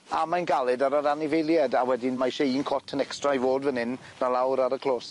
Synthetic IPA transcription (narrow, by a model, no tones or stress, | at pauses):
amajnɡalˠɪdaɾəɾanɪvɪjlˠjɛdawɛdimajʃeiːnkʰɔtʰənɛkstrajvoːdvənɪn | nalˠawɾaɾəkʰl̥ˠoːs